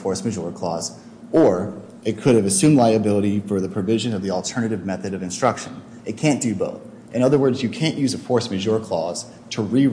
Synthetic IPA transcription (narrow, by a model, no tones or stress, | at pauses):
fɔɹsmɨʒɔɹkʰl̥ɔ̰z | ə˞ | ɨt̚kʰʊɾɨvɨsʉ̃mlaɪɨbɪlˠəɾifə˞ðɨpʰɹ̥ɨvɪʒɨ̃nʌvðil̩ˠtʰɜ˞nɨɾɨvmɛθɨɾʌvɨ̃nstɹ̥ʌkʃɨ̃n | ɨt̚kʰæ̃nd̥ɨbo̰ʊθ | ʔɨ̃ɾ̃ʌðə˞wɜ˞dzjɨkʰæ̃nʔʉzɨfɔɹsmɨʒɔɹkʰl̥ɔz̥ | tʰəɹi